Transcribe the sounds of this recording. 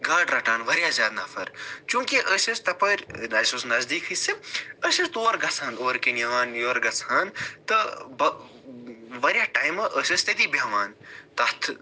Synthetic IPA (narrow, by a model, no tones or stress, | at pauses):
ɡaːɖɾɐʈaːnʋɐɾʲjazʲjaːd̪nɐfʰɐɾt͡ʃũːŋkiʔəsɐst̪ɐpɐɾʲnɐsʲosnɐzd̪iːkʰisiəsɐst̪oːɾɡɐt͡sʰaːnoːɾkinjaːnjoːɾɡɐt͡sʰaːnt̪ɐbɐ | ʋɐɾʲjaːʈaːjmɐʔəsʲɐst̪ɐd̪ibʱɐʋaːnt̪ɐt̪ʰ